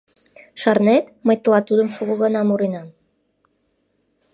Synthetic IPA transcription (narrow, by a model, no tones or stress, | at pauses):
ʃɑrnet̪məjt̪əlɑt̪ud̪əmʃuɣoɣənɑmuɾinɑm